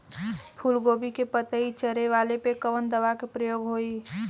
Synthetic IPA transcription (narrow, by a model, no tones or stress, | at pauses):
pʰʊlɡoːbikepət̪əit͡ʃəɾeʋaːlepekəʋənd̪əʋakepɾəjoːɡɦoːiː